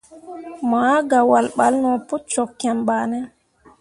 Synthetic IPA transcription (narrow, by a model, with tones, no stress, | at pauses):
ma˦ɡa˨wa˨lɓa˦lnɔ˨pu˦t̚t͡ʃɔ˨kːɛ˨mbaː˨nɛ˦